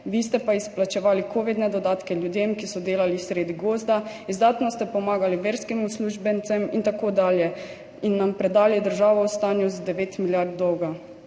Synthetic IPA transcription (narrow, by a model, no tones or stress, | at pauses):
ʋiːst̪ɛpaisplat͡ʃɛʋaːlikʰoːʋid̪nɛd̪ɔd̪aːt̪kɛljud̪jemkisɔd̪eːlalisɾeːd̪iɡoːzd̪aizd̪aːt̪nɔst̪ɛpɔmaːɡaliʋeːɾskimusluːʒbɛnt̪sɛmint̪akoːd̪aːljɛ | inːampɾɛd̪aːlid̪əɾʒaːʋɔwst̪aːnjuzad̪ɛʋeːt̪miljaɾd̪̚d̪ɔwɡa